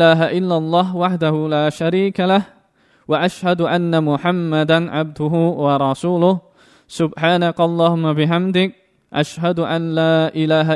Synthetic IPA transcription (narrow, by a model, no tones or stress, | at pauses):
aːɦaʔɪlːalˤːɑːɦwaħd̪ahʊlaːʃaɾiːkalah | waʔaʃhad̪ʊʔanːamʊħamːad̪aʕab̚d̪ʊɦʊwɑɾˤɑsuːlʊh | sʊbħaːnakʔɑlˤːɑːhʊmːabɪħamd̪ɪk̚ | ʔaʃɦad̪ʊʔanlaːʔɪlaːɦa